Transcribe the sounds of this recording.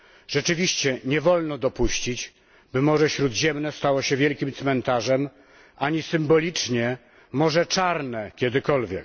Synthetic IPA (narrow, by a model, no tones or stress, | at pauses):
ʐ̥ɛt͡ʂɘvʲiɕt͡ɕɛɲɛvɔlnɔd̪ɔpuɕt͡ɕit͡ɕ | bɘmɔʐɛɕɾud̪ʑɛmnɛst̪awɔɕɛvʲjɛlkʲimt̪smɛnt̪aʐɛm | aɲisɘmbɔlʲit͡ʂɲɛ | mɔʐɛt͡ʂaɾnɛkʲɛd̪ɘkɔlvʲjɛk